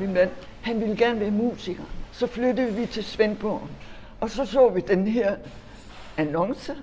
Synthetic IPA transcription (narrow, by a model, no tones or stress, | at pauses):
minmæn̰ | hænʋiləɡ̥æɐnəʋæɐmṵːsiɡ̥ɐsɒ̽flød̥əðˠʋit͡sʰe̝lsʋenb̥ɒn | ɒ̽sɒ̽sɔ̰ːʋid̥enheɐ̰ | ænɒ̽ŋsə